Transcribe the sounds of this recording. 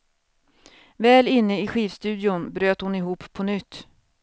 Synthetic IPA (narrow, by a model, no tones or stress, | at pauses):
vɛːlɪnːəɪɧiːvst̪ʉ̟ːd̪ɪʊnbɾøːt̪hʊnɪɦuːpʰːɔnʏt̪ː